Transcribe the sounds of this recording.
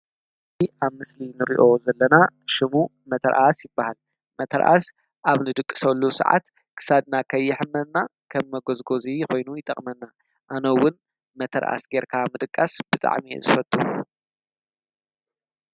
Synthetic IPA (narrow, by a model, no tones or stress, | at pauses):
ɨziʔaβmɨslinɨɾḭʔo̞zɐlːɐnaʃɪmu | mɐt̪ʰɐɾʔasjɪbːahal | mɐt̪ʰɐɾʔa̰s | ʔaβnɨd̪ɨkʼːɨ̥sɐlːusɐ̰ʕa̰t̪ | kʰɨ̥sad̪nakʰɐjːɪħɨmːɐd̪nakʰɐmːɐɡozɡo̞ziko̞jnujɪt̪ʼɐχʼmɐnːa | ʔanowːʊn | mɐt̪ʰɐɾʔa̰sɡeɾkʰamɨd̪ɨkʼːasb̥ɨt̪ʼa̰ʕmiḛzɨfɐt̪ʼːu